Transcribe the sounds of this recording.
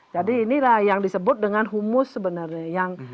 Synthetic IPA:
d͡ʒadiːnilahjaŋdisəbʊt̪̚dəŋanɦumʊsːəbənarɲajaŋ

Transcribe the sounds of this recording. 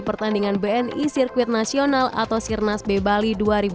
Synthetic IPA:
pərt̪andiŋanbeɛnisirkuwɪt̪̚nasionala̰t̪awsirnasbebaliduaɾib

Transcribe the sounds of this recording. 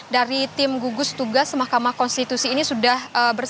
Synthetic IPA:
daɾit̪ɪmɡuɡʊst̪uɡasmahkamahkɔnst̪it̪usiːnisudahəbər

